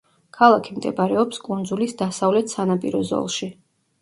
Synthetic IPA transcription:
kʰalˠakʰimd̪ɛ̰bɾɛɔpskʼund̪zulisd̪asavlɛt̪ʰsanapʼiɾɔzɔ̰lˠʃi

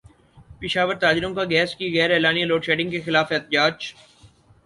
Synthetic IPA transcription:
pɪʃaːʋəɾt̪aːd͡ʒɪɾõkaɡɛːskiɣɛːɾɛːlaːniloːʈʃeːɖɪ̃ŋɡkexɪlaːfɛːt̪ɪd͡ʒaːd͡ʒ

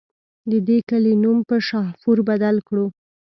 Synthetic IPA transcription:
d̪əd̪ekəlenumpəʃɑhfuɾbad̪alkɽu

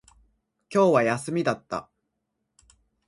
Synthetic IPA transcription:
kʲo̞ːβajasɨmʲid̪at̪ːa̰

